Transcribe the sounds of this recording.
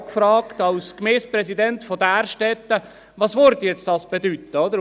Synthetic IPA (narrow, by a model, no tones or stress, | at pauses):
kfɾɑːkt̪ɑlskmɛːspɾɛsidɛntfɔdæːɾʃtɛt̪ːə | ʋɑːsʋøɾdəjɛt͡std̥ɑːsb̥ɛd̪yt̪ːəod̪əɾ